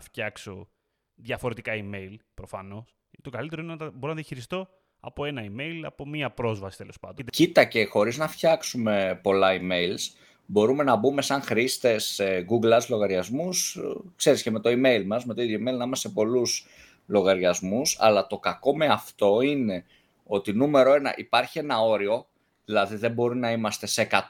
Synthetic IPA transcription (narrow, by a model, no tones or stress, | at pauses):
ɐfçɐkso̞ | ðʝɐfo̞ɾet̪ikɐime̞ilpɾo̞fɐno̞s | t̪o̞kɐlit̪e̞ɾo̞inenɐɐbo̞ɾonɐðjɐçiɾist̪o̞ | ɐ̰po̞e̞nɐime̞jlɐ̰po̞miɐpɾo̞zvɐsi̥t̪e̞lo̞spɐ̰nd̪ocit̪ɐce̞xo̞ɾiznɐfçɐksume̞po̞lɐime̞jls | bo̞ɾume̞nɐbume̞sɐŋxɾist̪e̞sɡuɡlɐzlo̞ɣɐɾʝɐzmuskse̞ɾisceme̞t̪o̞ime̞jlmɐzme̞t̪oiðjoime̞ilnɐimɐst̪epo̞lus | lo̞ɣɐɾʝɐzmusɐ̰lɐt̪o̞kɐko̞me̞ɐft̪o̞ine̞ | o̞t̪inume̞ɾo̞e̞nɐ̰ʔipɐɾçie̞nɐo̞ɾio̞ | ðilɐðiðe̞bo̞ɾinɐimɐst̪e̞se̞kɐt̪